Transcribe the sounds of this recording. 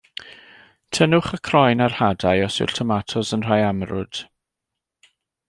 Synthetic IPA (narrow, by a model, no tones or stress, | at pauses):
tʰənʊχəkʰrɔjnarhadajɔsʊ̰ltʰɔmatʰɔsənr̥aːjamrʊ̰d̥